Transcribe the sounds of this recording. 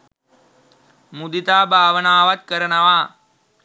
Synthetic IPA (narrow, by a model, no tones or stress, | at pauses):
mud̪it̪aːbʱaːʋənaːʋat̪̚kəɾɐnɐʋaː